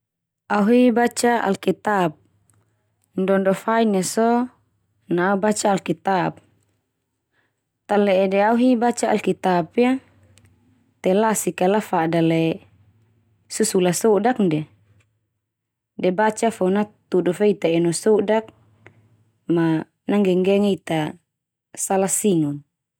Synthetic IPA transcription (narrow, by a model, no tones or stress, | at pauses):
auɦibat͡ʃaʔa̰lkit̪ap̚ | ndɔndɔfainasɔ | naubat͡ʃaːlkit̪ap̚ | t̪alɛʔɛdɛauɦibat͡ʃaːlkit̪apia | t̪ɛlasikalafadalɛ | susulasɔdak̚ndɛ | dɛbat͡ʃafɔnat̪udɔfeit̪aɛnɔsɔdak̚ | ma | naŋɡɛŋɡɛŋit̪a | salasiŋun